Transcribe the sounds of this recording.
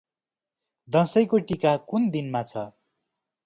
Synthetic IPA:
d̪ʌsʌjkoʈikakund̪inmat͡sʰʌ

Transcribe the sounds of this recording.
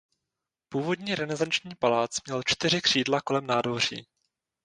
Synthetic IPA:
puːvo̞dɲiːɾɛnɛzant͡ʃɲiːpalaːt͡smɲɛlt͡ʃt̪ɪr̝ɪkr̥iːdlako̞lɛmnaːdvor̝ḭː

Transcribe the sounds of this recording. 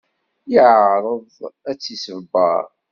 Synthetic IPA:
jəʕɾˤəðæt͡sːisəvbːɑ̰ɾˤ

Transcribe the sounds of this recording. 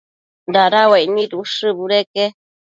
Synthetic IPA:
d̪aɾawainĩɾuʂɨbuɾeke

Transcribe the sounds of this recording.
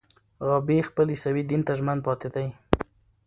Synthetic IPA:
ɣɑbexpəlisawid̪int̪aʒmand̪̚pɑt̪ɪd̪aj

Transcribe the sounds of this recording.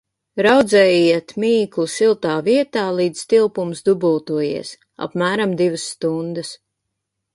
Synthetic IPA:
ɾawd̪zɛːjiɛt̪miːklˠusilˠt̪aːviɛt̪aːlˠiːd̪zt̪ilˠpumsd̪ubuːt̪uɔjḭɛs | a̰pmæːɾamd̪ivəsːt̪und̪əs

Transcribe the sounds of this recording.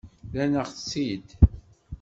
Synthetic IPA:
lænəʁθsid̪

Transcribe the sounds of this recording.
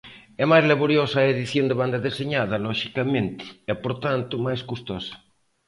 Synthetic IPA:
ɛmajzlaβoɾjosɐaeðiθjõnd̪eβand̪ɐðeseɲaðɐlɔʃikamẽnt̪ɪ̥ɛpoɾt̪ant̪ʊmajskust̪ɔsɐ̥

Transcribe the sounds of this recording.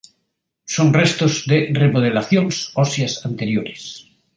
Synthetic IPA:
soŋrest̪ozðeremoð̞elaθjonsɔsjasant̪eɾjoɾes

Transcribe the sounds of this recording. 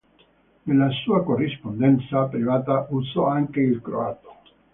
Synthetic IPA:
nelasuːakorːispond̪ɛnt̪sapɾivaːt̪aʔusɔaŋkeilkɾo̰aːt̪o̥

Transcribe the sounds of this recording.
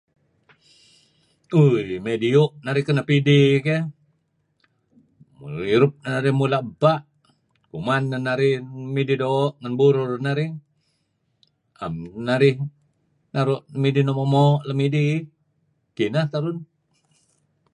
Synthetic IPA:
ujmediuʔnaɾɪhkənapidike | iɾʊp̚nanaɾɪhmulaəbaʔ | kumanːanaɾɪhmididoʔŋanbuɾʊrnaɾɪh | a̰mnaɾɪh | naɾʊʔmidinomomɔʔlamidi | kinat̪aɾʊn

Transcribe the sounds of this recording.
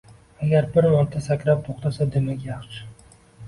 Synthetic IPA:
aɡʲaɾbɪɾmaɾt̪ʰːasakʲɾap̚t̪ʰoχt̪ʰasad̪emakʲjɑχʃɪ̥

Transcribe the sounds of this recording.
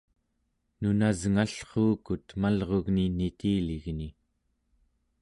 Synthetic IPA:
nunazŋaɬχoːkut̪malʁo̞ɣninit̪iːliɣni

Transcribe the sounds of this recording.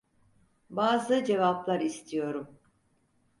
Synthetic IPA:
baːzɯd͡ʒe̞vaplˠaɾist̪ʰijo̞ɾum

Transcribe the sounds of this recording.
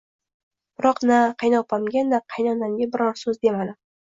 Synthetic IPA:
b̥ɪɾɒqnaqʰɑjnɒpamɡʲanaqʰɑjnɒnamɡʲabɪɾɒɾsɵzd̪e̞malɪ

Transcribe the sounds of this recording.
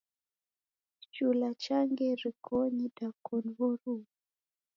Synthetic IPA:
t͡ʃulat͡ʃaŋɡɛɾikʰɔɲidakɔnβɔɾu

